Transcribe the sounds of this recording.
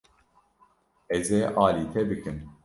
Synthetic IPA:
ɛzeːʔɑːliːt̪ʰɛbɨkɨn

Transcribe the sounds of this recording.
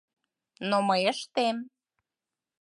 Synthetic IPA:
noməjəʃt̪em

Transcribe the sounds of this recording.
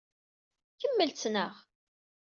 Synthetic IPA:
kəmːəlt͡s̪nəʁ

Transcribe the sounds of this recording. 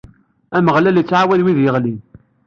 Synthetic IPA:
æməʁlæljət͡sːʕawæðwiðjəʁlin

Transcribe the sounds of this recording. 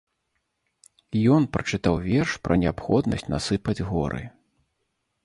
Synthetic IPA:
jɔnpɾɐt͡ʂɨt̪awvʲɛrʂpɾɐnʲɛapxɔd̪nɐ̰sʲt͡sʲnasɨpɐd͡zʲɣɔɾʔɨ̰

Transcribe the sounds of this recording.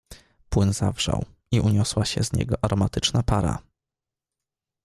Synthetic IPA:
pwɘnzavʐa̰w | iʔuɲɔswaɕɛzɲɛ̰ɡɔʔaɾɔmat̪ɘt͡ʂnapaɾa̰

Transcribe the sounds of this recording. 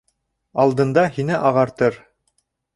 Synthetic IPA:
ɑlˠd̪ɤ̆nd̪ɑɦinɘʔɑʁɑɾt̪ɤɾ

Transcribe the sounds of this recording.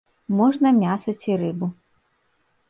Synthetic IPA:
mɔʐnɐmʲasɐt͡sʲiɾɨbu

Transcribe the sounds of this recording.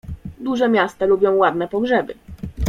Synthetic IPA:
d̪uʐɛmʲjast̪alubʲjɔ̃w̃wad̪nɛpɔɡʐɛbɘ

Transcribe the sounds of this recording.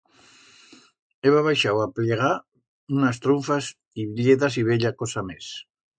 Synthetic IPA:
eβaβajʃawapleɣ̞a | unas̬t̪ɾuɱfas | iβɾjeðas̬iβ̞eʎakosames

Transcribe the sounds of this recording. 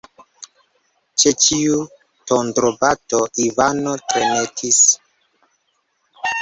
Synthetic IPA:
t͡ʃet͡ʃiu | tondɾobatoʔivanotɾenetʰis

